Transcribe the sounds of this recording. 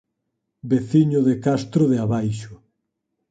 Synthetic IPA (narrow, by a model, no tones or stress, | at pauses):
beθiɲʊðekast̪ɾʊðeaβajʃʊ